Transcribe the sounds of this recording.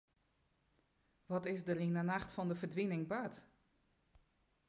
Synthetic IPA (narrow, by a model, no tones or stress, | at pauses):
ʋɔtɪsdərinanaxtfɔndəfərdʋinɪŋbœt